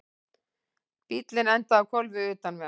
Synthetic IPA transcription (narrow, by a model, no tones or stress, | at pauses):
pit̪lɪnɛnt̪aːwkʰɔlvɪʏːt̪anmɛ